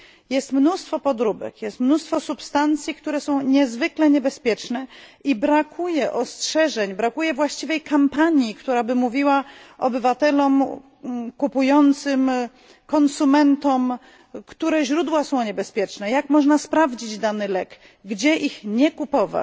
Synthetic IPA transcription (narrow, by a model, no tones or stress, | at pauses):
jɛst̪mnust̪fɔpɔd̪ɾubɛ̰kjɛst̪mnust̪fɔsupst̪ant̪sʲjikt̪uɾɛsɔ̃w̃ɲɛzvɘklɛɲɛbɛspʲjɛt͡ʂnɛibɾakʰujɛʔɔstʂɛʐɛɲbɾakujɛvwaɕt͡ɕivɛjkampaɲjikt̪uɾabɘmuvʲiwaɔbɘvat̪ɛlɔm | kupujɔnt̪sɘm | kɔnsumɛnt̪ɔm | kt̪uɾɛʑɾud̪wasɔ̃w̃ɲɛbɛspʲjɛt͡ʂnɛjakmɔʐnaspɾavd͡ʑid͡ʑd̪anɘlɛɡ | ɡd͡ʑɛʔixɲɛkupɔva̰